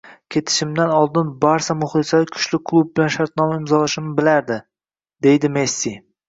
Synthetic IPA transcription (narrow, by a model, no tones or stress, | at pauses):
kʲʰe̞t̪ʰɪ̥ʃɪmd̪anɒlˠd̪ɪnbaɾsamʊχlˠɪsalɪkʰʊ̥ʃlɪkʰlˠub̚bɪlanʃaɾt̪̚nɒmaɪmzɒlaʃɪmɪbɪlaɾd̪ɪ | d̪e̞jd̪ɪmesːi